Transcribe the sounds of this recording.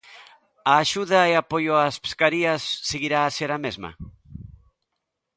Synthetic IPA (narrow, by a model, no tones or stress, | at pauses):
aːʃuðɐeapojʊaspe̥skaɾiɐsːeɣiɾaːseɾamezmɐ̰